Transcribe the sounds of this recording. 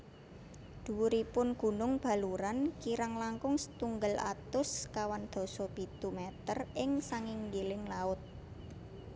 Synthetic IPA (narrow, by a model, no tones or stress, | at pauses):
d̪̥uɾipʊnɡ̥ṳnʊŋb̥a̤luɾankiɾaŋlaŋkʊŋsə̥t̪uŋɡəlʔa̰t̪ʊskawand̪̥ɔ̤sɔb̥i̤t̪umɛt̪ərɪŋsaŋɪŋɡilɪŋlaʊt̪̚